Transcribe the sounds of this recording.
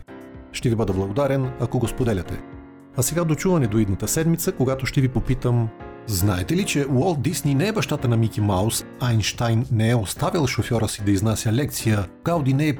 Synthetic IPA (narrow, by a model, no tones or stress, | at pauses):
ʃt̪ɛvibəd̪əblˠɐɡod̪aɾɛnɐkoɡospod̪ɛlʲɐt̪ɛ̰ | ɐsɛɡad̪ot͡ʃuvɐnɛd̪oid̪nət̪əsɛd̪mit̪səkoɡat̪oʃt̪ɛvipopit̪əm | znaɛt̪ɛlit͡ʃɛwɔlˠt̪̚d̪isninɛɛbɐʃt̪at̪ənɐmikʲimawsajnʃt̪ajnːɛɛost̪avilˠʃofʲjɔɾəsid̪ɐiznasʲəlɛk̚t̪sijəkawd̪inɛɛ